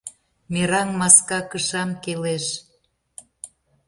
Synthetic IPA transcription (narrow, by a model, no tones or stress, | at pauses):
meɾɑŋmɑskɑkəʃɑmkeleʃ